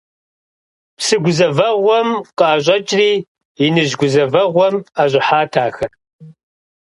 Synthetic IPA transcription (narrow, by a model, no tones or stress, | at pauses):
psɨɡʷʊzɐvɐʁʷɔmqʼɑːɕ̬ʼɐt͡ʃʼriː | inɨʑɡʷʊzɐvɐʁʷɔmaɕʷʼɪħaːtʰaːxɐr